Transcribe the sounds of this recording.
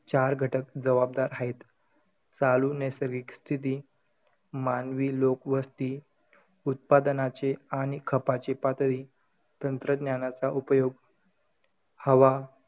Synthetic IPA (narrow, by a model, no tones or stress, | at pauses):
t͡ɕaɾɡʱəʈəkd͡zəʋab̚d̪aɾɦait̪ | t͡salunesəɾɡikst̪ʰit̪̬iː | manʋiːlokʋəst̪iː | ut̪̚pad̪ənat͡ɕeaɽ̃ikʰəpat͡ɕepat̪ɾiː | t̪ənt̪ɾəd̪njanat͡saʔupjoɡ | həʋa